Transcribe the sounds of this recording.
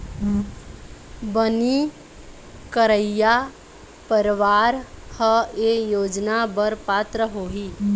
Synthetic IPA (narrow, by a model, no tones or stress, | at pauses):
bəni | kəɾəja | pəɾʋaːɾhəejoːd͡ʒnabəɾpaːt̪ɾəɦoːɦiː